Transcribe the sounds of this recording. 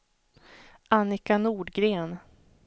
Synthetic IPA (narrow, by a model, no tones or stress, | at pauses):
ʔanɪkanuːɖɡɾeːn